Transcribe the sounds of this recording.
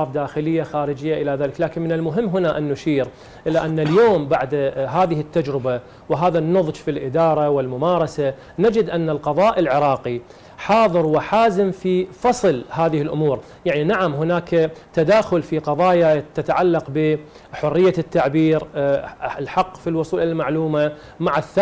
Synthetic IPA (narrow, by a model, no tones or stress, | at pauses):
ɑːfd̪aːxɪlɪjːaxaːɾɪd͡ʒɪjːaʔɪlaðaːlɪklaːkɪnmɪnɪlmʊɦɪmːɦʊnaʔɪnːʊʃiːɾ | ʔɪlaʔanːaljoːmbaʕd̪ɦaːðɪhɪt̪ːad͡ʒɾɪba | wɪɦaːðanːʊðˤd͡ʒfilʔɪd̪ɑːɾˤɑwɪlmʊmaːɾˤɑsa | nad͡ʒɪd̪ʔanːalqɑðˤɑːʔɪlʕɪɾˤɑːqi | ħɑːðˤɨɾwɪħaːzɪmfifɑsˤlɦaːðɪhɪlʔʊmuːɾ | jaʕninaʕamɦʊnaːkt̪ad̪aːxʊlfiqɑðˤɑːjat̪ːat̪aʕalːɑqbɪ | ħʊrːɪjːat̪ːaʕbiːɾ | ɪlħɑqːfilwʊsˤuːlɪlmaʕluːma | maʕaθa